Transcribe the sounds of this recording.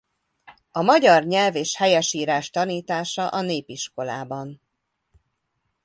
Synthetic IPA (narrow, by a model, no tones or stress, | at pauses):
ɒmɒɟɒrɲɛlveːʃhɛjɛʃiːɾaːʃt̪ɒniːt̪aːʃɒʔɒneːpiʃko̞la̰ːbɒn